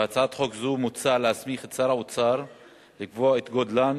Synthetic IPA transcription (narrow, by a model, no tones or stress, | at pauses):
at͡saat̪χokzumut͡saleasmiχet͡saɾaut͡saɾ | likvoaet̪ɡod̪lan